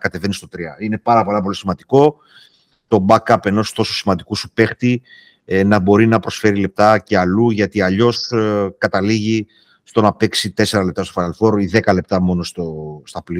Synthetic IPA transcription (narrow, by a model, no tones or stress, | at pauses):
kɐt̪e̞ve̞nist̪o̞t̪ɾiɐine̞pɐɾɐpo̞lɐpo̞lisimɐnd̪iko̞ | t̪o̞bɐkːɐpe̞no̞st̪o̞sosimɐnd̪ikusupe̞xt̪i | nɐbo̞ɾinɐpɾo̞sfe̞ɾile̞p̚t̪ɐce̞ɐluʝɐt̪iɐʎo̞skɐt̪ɐliʝi | st̪o̞nɐpe̞ksit̪ese̞ɾɐlept̪ɐst̪ofɐɐlfo̞ɾoiðe̞kɐle̞p̚t̪ɐmo̞no̞st̪ost̪ɐpli